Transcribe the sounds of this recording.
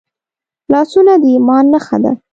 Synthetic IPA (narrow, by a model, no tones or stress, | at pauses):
lɑsunad̪əimɑnːaxa̰d̪a̰